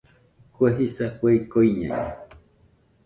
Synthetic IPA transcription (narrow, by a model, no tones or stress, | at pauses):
kʷeɦisakʷeikoiɲã̰ɲḛ̃